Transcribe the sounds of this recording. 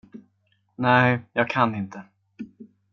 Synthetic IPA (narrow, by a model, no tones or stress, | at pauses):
næjjɑːɡ̚kʰanːɪnt̪ə